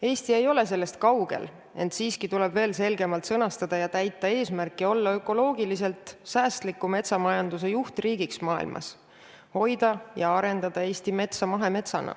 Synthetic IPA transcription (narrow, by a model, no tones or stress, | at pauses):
e̞ːst̪ie̞jo̞le̞s̬e̞lːe̞st̪̚kɑwɡ̥e̞̰l | e̞nt̪siːskit̪ule̞b̥ve̞ːlse̞lɡe̞mɑlt̪sɤnɑst̪ɑd̪̥ɑjɑt̪æjt̪ːˑɑe̞ːsmærkːˑio̞lːɑø̞kːˑo̞lo̞ːɡ̥ilise̞lt̪ˑsæːst̪likːˑume̞t̪sɑmɑjɑnd̪̥us̬e̞juht̪riːɡiksmɑːḭlmʔɑ̰s | ho̞jd̪ɑjɑɑɾe̞nd̪̥ɑd̪̥ɑe̞ːst̪ime̞t̪sɑmɑɦe̞me̞t̪sɑnʔɑ̰